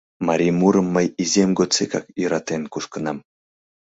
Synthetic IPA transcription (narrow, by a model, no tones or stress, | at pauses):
maɾʲijmuɾəmːəjizʲemʲɡot͡sekɑ̰kjəɾɑt̪enkuʃkə̆nɑm